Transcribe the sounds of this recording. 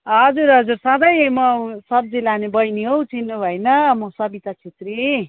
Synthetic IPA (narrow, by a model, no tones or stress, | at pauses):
ɦʌd͡zuɾɦʌd͡zursʌd̪ʌjmʌsʌb̚d͡zilanebʌjniɦowt͡sʰinːubʱʌjnʌmʌsʌbit̪at͡sʰet̪ri